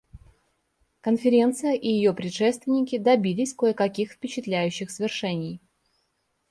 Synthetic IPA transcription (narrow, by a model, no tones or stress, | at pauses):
kənfʲɪɾʲe̞nt̪sɨjəʔɪjɪjo̞pɾʲɪt̪ʂɛst̪vʲɪnʲɪkʲɪd̪ɐbʲilʲɪsʲkoəkɐkʲixfpʲɪt͡ɕɪt̪lʲæjʉɕːɪxsvʲɪrʂɛnʲɪj